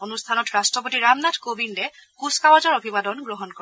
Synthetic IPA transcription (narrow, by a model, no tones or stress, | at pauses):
onustʰanɔtɹastɹɔp̬otiɹamnadkobindɛ | kuskawazɔɹobʱibadɔnɡɹɔɦɔnkɔ